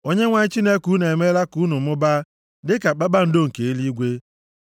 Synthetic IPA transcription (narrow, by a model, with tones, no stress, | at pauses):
o˦ɲe˦ŋʷa˨ɲɪ˦t͡ʃi˦ne˦ku˦ne˨me˦la˦ku˦nʊ˨mʊ˦ba˦ | dɪ˦ka˨k͡pa˦ba˦n̩˦do˦ŋ̩˨ke˨e˦li˦ɡʷe˦